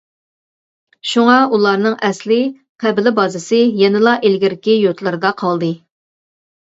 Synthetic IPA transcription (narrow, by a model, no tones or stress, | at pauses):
ʃuŋɑulˠɑɾnɨŋʔɛslɪ | qʰæbɪlɪbɑzɨsɨjɛnɪlˠɑʔelɡʲiɾɪkʲijut̪lˠɨɾɨd̪ɑqʰɑlˠd̪ɨ